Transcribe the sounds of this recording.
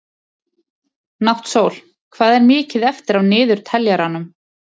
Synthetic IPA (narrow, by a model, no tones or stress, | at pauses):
nawht̪soːwl̥ | kʰvaːðɛɾmɪːcɪðɛft̪ɪɾawnɪːðʏɾ̥t̪ʰɛljaɾanʏm